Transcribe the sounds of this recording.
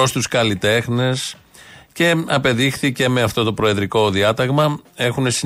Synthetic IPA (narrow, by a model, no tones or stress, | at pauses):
ost̪uskɐlit̪e̞xne̞s | ce̞ɐpe̞ðixθice̞me̞ɐft̪o̞t̪o̞pɾo̞eðɾiko̞ðiɐt̪ɐɣmɐe̞xune̞si